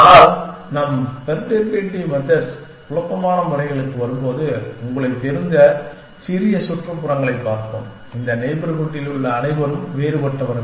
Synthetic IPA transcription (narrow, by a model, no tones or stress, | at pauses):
naːlnɐmpɛɾp̪eːɾpeːʈːimɐðɐɾs | kʊɭɐpːɐmaːnɐmʋɐɾɐɪɣɐɭɯkːɯʋɐɾɯmpoːðɯʊŋɡɐɭɐɪt̪ːɛɾɯnd̪ɐ | sɪɾɪjɐsʊʈrɐpʊɾɐŋɡɐɭɐɪpːaːɾk̪o̰m | ɪnd̪ɐnɛɪbɾɐɣɯʈːɪlɯɭːɐːnɐɪʋɐɾɯmʋeːɾɯpɐʈːɐʋɐɾɐ